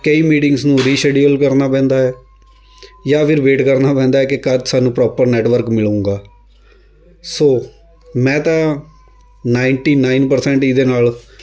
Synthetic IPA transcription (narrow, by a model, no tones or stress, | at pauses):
kəiːmiːʈɪŋɡsnũːɾiːʃeːɖiəlkəɾnaːpɛ̃ːnd̪aːɛː | jaːpʰɪɾʋeːʈkəɾnaːpɛ̃ːnd̪aːɛːkekəd͡ʒsaːnũːpɾɔːpəɾnɛːʈʋəɾkmɪlũːɡaː | soː | mɛ̃ːt̪ãː | naːɪɳʈiːnaːɪnpəɾsɛ̃ːɳʈɪd̪eːnaːl